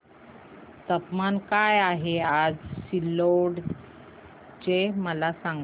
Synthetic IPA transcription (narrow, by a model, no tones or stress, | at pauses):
t̪əpmankajaɦead͡zsilːoɽ | t͡ɕeməlasaŋɡ